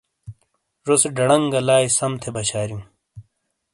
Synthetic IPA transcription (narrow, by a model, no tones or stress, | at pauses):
ɾosɖɐɽɐŋɡɐlaːjsɐmt̪ʰebɐɕaːɾjũː